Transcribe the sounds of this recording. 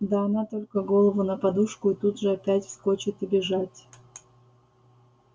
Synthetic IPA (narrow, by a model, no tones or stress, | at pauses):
d̪aɐnat̪o̞lʲkəɡolˠəvʊnəpɐd̪uʂkʊit̪ud̪ʐɨɐpʲætʲfskot͡ɕɪt̪ɪbʲɪʐatʲ